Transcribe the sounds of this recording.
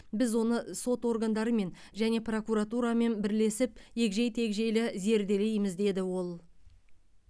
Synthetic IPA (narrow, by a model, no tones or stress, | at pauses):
bɪzwo̞nəso̞t̪wo̞rɡand̪ɑɾəme̞n | ʒæne̞pro̞kuɾat̪uɾame̞nbɪɾle̞sɪp̚je̞kʒe̞jt̪ʰe̞kʒe̞jlɪze̞ɾd̪e̞lejmɪzd̪e̞d̪ɪwo̞lˠ